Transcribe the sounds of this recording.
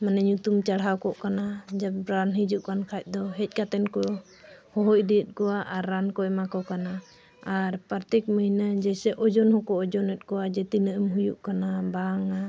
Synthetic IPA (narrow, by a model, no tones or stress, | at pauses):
manɛɲut̪umt͡ʃaɽɦawkɔʔkanad͡ʒabɾanɦid͡ʒuʔkankʰac̚ˀd̪ɔɦɛc̚ˀkat̪ɛnkɔ | hɔɦɔc̚d̪iət̪̚ˀkɔwaʔaɾːankɔɛmakɔkana | aɾpaɾt̪ɛkməjnad͡ʒɛsɛʔɔd͡ʒɔnhɔkɔɔd͡ʒɔnɛt̪̚ˀkɔwad͡ʒɛt̪inəʔəmɦujuʔkanabaŋa